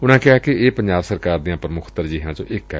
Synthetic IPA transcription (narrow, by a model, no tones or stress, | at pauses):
ʊnãːkɪaːkɪeːpəɲd͡ʒaːbsəɾkaːɾd̪ijãːpɾəmʊkʰt̪əɾd͡ʒiːɦãːd͡ʒõ̰ːʔɪkɛ̰ː